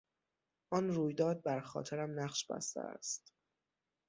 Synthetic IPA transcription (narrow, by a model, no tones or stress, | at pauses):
ʔɒːnɾuːjd̪ɒːd̪̚bæɾxɒ̰ːt̪ʰeɾæmnæqʃbæ̰st̪ʰḛæ̰st̪